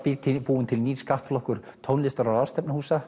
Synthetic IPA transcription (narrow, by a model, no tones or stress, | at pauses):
piɾt̪ʰɪpuːʏnt̪ʰɪlniːskaht̪flɔhkʏɾ̥ | t̪ʰownlɪst̪aɾaɾaːwst̪ɛpnɪhuːsa